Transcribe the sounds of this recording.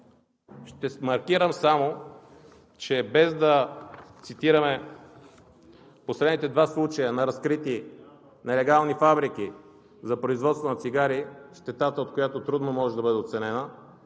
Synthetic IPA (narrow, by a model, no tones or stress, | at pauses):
ʃt̪ɛmɐɾkiɾəmsamo | t͡ʃɛbɛzd̪ɐt̪sit̪iɾəmɛ | posɾɛd̪nit̪ɛd̪vaslˠut͡ʃɐjənɐɾɐskɾit̪i | nɛlɛɡalˠnifabɾik̟i | zɐpɾoizvɔt̪st̪vonɐt̪siɡaɾiʃt̪ɛt̪at̪əot̪̚kojat̪ot̪ɾud̪nomɔʒɛd̪ɐbɤd̪ɛot̪sɛnɛnə